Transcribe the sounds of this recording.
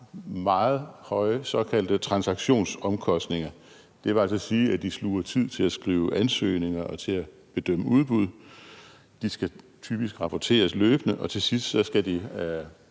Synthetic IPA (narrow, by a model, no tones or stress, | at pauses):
mɑ̈ːð̞̩ˠhɒ̽ɪəsɒ̽kʰæl̰d̥ət͡sʰʁɑ̈nsɑ̈ɡ̥ɕo̝̰ːnsɒ̽mkʰɒ̽sd̥ne̝ŋɐ | d̥e̝ʋeæl̰sɒsiːæd̥isluɐt͡sʰið̰ˠt͡sʰe̝læsɡ̥ʁḭːʊʔænsø̰ːne̝ŋɐʔɒ̽t͡sʰe̝læ | b̥e̝d̥øm̰əuð̞ˠb̥uð̞ˠ | d̥isɡ̥æ | t͡sʰy̰ːb̥isɡ̥ʁɑ̈pʰɒt͡sʰe̝̰ːɐsløːb̥ənəʔɒ̽t͡sʰe̝sisd̥sɒ̽sɡ̥æd̥i